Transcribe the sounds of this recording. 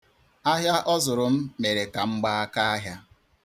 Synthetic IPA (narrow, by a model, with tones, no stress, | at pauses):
a˦ɦja˦ʔɔ˦zʊ˨ɾʊ˨m̩˦me˨ɾe˨ka˨ŋ͡m̩˦ɡ͡ba˦a˦ka˦a˦ɦja˦